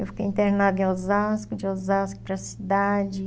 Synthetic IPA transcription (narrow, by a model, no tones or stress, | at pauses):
ewfikejĩt̪eɾnad̪ʊẽozaskʊd͡ʒɪozaskʊ̥pɾɐsid̪ad͡ʒɪ